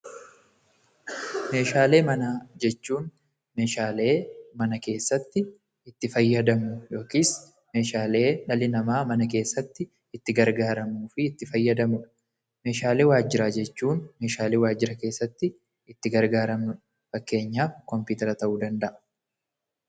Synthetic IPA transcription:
me̞ːʃaːle̞ːmɐnaːd͡ʒɛt͡ʃːuːn | me̞ːʃaːle̞ːmɐnɐke̞ːsːɐt̪ːɪ | ɪt̪ːɪfɐjːɐd̪ɐmʊjo̞ːkiːs | me̞ːʃaːle̞ːᶑɐlɪnɐmaːmɐnɐk̬e̞ːsːɐt̪ːɪː | t̪ːɪɡɐɾɡaːɾɐmuːfɪːt̪ːɪfɐjːɐd̪ɐmʊᶑ | me̞ːʃaːle̞ːwaːd͡ʒɪɾaːd͡ʒɛt͡ʃːuːnme̞ːʃaːleːwaːd͡ʒːɪɾɐke̞ːsːɐt̪ːɪ | ɪt̪ːɪɡɐɾɡaːɾɐmnʊ | fɐkːe̞ːɲːaːfkɔmpuːt̪ɛɾɐt̪ɐʔuːd̪ɐnd̪ɐʔɐ̥

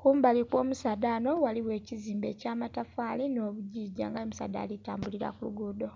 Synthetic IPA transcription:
kumbalikwo̞ːmusaːdano̞waliwe̞ːciziːmbḛcaːmatafaːlino̞ːβuɟiːɟa̰ːŋɡajomusa̰ːda̰ːlita̰ːmbuliɾa̰kulṵɡudo̞

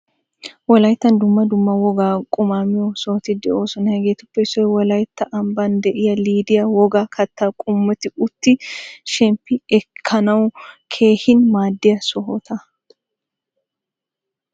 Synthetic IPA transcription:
wɔlɐjɪt̪ːɐnd̪ʊmːɐd̪ʊmːɐwɔɡaːkʼʊmaːmɪjɔsɔhɔt̪ɪd̪ɛo̞ːsɔnɐhɛɡeːt̪ʊpːɛɪsɔjwɔlɐjt̪ːɐʔɐmbɐnd̪ɛʔɪjɐliːd̪ɪjɐwɔɡaːkʰɐt̪ːakʼʊmːɔt̪ɪʊt̪ːɪʃɛmpːɪɛkʰːɐnɐwkʰe̞ːhɪnmaːd̪ːɪjɐsɔɦɔt̪ʰɐ

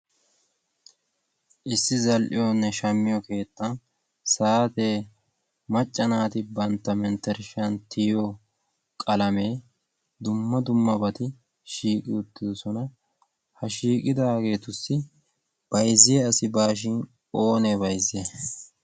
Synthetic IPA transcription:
ʔɪsːɪzɐlʔɪ̰jɔnːɛʃɐmːɪjɔke̞ːt̪ːɐn | saːt̪e̞ː | mɐt͡ʃʼːɐnaːt̪ɪbɐnt̪ːɐmɛnt̪ːɛɾʃɐnt̪ʰɪjɔ | kʼɐlɐme̞ː | d̪ʊmːɐd̪ʊmːɐbɐt̪ɪ | ʃiːkʼɪʊt̪ːɪd̪ɔsɔnɐ | hɐʃiːkʼɪd̪aːɡe̞ːt̪ʊsːɪ | b̥ɐjzːɪjɛɐsɪbaːʃ̬ɪn | o̞ːnebɐjze

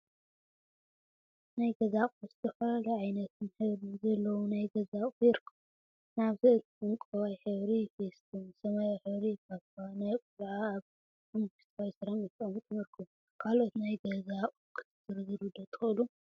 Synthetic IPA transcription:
najɡɐzakʼzɨt̪ʰɐfɐllɐʕajnɐt̪ʰɨnħɨβɾɨnzɐlːɐwunajɡɐzakʼjɛɾkʰːɨm | naβzɨl | ɨŋkʼɐwajħɨβɾifest̪ʰɨmsɐmajaħɨβɾikʰaβtʰnajkʼulʕaːβ | mɨmɡɨst̪kawsɨɾamɨk̪ʼɐmt̪ʼɨmɨɾkʰɨm | kʰalo̞t̪najɡɐzaqʼukʰɨ̥t̪ʰɨzɨɾzɨɾud̪ɐt̪ʼxɨlu

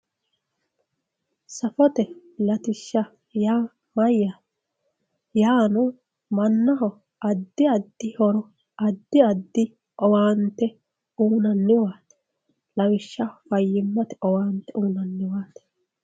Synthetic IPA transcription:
sɐfɔt̪ɛ | lɐt̪ɪʃːɐ | jaː | mɐjːa | jaːnɔ | mɐnːɐɦɔ | ʔɐd̪ːɪɐd̪ːɪhɔɾɔ | ɐd̪ːɪɐd̪ːɪ | ɔwaːnt̪ːɛ | uːnɐnːɪwaːt̪ | lɐwɪʃːɐfɐjːɪmːɐt̪ɛʔɔwaːnt̪ɛʔuːnɐnːɪwaːt̪ɛ̥

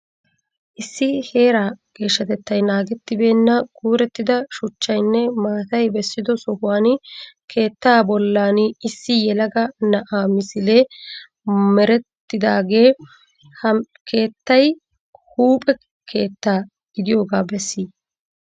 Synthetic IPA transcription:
ʔɪsːɪhe̞ːɾaːɡ̥e̞ːʃːɐt̪ɛt̪ːɐjnaːɡɛt̪ːɪbe̞ːnːɐɡuːɾɛt̪ːɪd̪ɐʃʊt͡ʃːɐjnːɛmaːt̪ɐjbɛsːɪd̪ɔsɔhʊwaːnkʰe̞ːt̪ːaːbɔlːaːnɪsːɪjɛlɐɡɐnɐʔaːmɪsɪle̞ː | mɛɾɛt̪ːɪd̪aːɡe̞ː | hɐ | kʰe̞ːt̪ːɐj | huːpʼɛ | kʰe̞ːt̪ːaː | ɡɪd̪ɪjo̞ːɡaːbɛsːiː

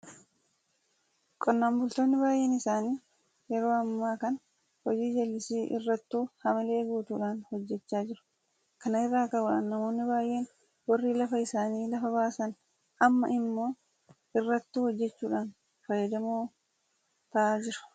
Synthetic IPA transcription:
kʼɔnːaːmbʊlt̪oːnːɪbaːjʔːe̞ːnɪsaːniː | jɛɾo̞ːɐmːaːkɐn | hɔd͡ʒiːd͡ʒɐlːɪsiːʔɪ̰rːɐt̪ːuːhɐmɪle̞ːɡuːt̪uːᶑaːnhɔd͡ʒːɛt͡ʃːaːd͡ʒɪɾʊ̥ | kɐnɐɪrːaːkɐbʊːᶑa̰ːnːɐmo̞ːnːɪbaːjʔe̞ːn | wɐrːiːlɐfɐɪsaːniːlɐfɐβaːsɐn | ɐmːɐ̰ʔɪmːo̞ː | ɪrːɐt̪ːuːhɔd͡ʒːɛt͡ʃːuːᶑaːn | fɐjːɐd̪ɐmoː | t̪ɐʔaːd͡ʒɪɾʊ̥

